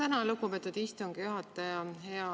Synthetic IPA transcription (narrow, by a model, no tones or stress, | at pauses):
ænɑlukːubet̪ːˑut̪ist̪uŋɡ̥ijuɦɑt̪ːˑɑjɑhe̞ɑ